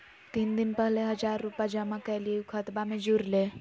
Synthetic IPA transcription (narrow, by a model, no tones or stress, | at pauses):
t̪iːnd̪inpəɦleɦəd͡ʒaɾːupad͡ʒəmakəlikʰət̪bamẽd͡ʒuɾle